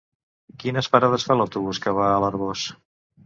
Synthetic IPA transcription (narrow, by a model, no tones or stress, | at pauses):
kinəspəɾaðəsfalawt̪uβuskəβ̞aːləɾɣos